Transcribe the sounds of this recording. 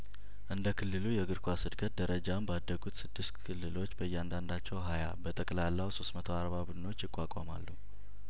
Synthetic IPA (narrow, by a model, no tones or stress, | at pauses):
ʔɨnd̪əkʰɨlːɨlujɛɡɨɾkʰʷasɨd̪kʰət̪̚d̪əɾəd͡ʒambad̪ːəɡut̪sɨd̪ːɨst̪kʰɨlːɨlo̞t͡ʃːbəjːɛand̪and̪at͡ʃːɛwɦaja̰bət̪ʼəkʼlalːawso̞st̪mət̪ʰoaɾβabud̪ɨno̞t͡ʃːjɪkʼʷːakʼa̰ma̰lːu